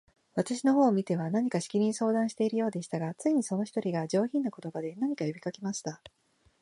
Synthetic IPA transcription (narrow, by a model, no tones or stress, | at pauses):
βat̪aɕino̞ɦo̞ːmʲit̪e̞β̞anaɲ̟ikaɕi̥kʲiɲ̟ʲĩɰ̃so̞ːd̪ãɰ̃ɕi̥t̪e̞iɾɯjo̞ːd̪e̞ɕi̥t̪aɡat͡sɨiɲ̟iso̞no̞çi̥t̪o̞ɾʲiɡad͡ʑo̞ːçĩnːoko̞t̪o̞bad̪e̞naɲ̟ikajobʲikakʲemaɕi̥t̪a